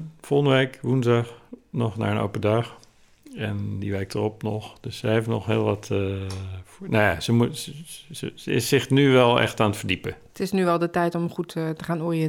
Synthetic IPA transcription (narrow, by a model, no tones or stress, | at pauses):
folˠɣndəʋɛjkʋunzdaxnɔxna̰ːɹəno̰wpədax | ɛndiʋɛjk̚tʰərɔp̚nɔxd̥øssəefənɔxhɪːlˠʋat | fnojasəmu | əəɪ̰sɪxnyʋɛlˠɛ̰xtaːnətfərdipə | tɪsnyʋɛlˠdətɛjtɔmχuttəχaːnɔriə